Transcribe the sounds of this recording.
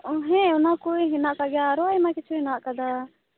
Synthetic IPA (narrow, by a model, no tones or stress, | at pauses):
ɦɛ̃ɔnakɔiɦɛnaʔkaɡɛjaːɾɔajmãkɛt͡ʃʰuɦɛnaʔkad̪a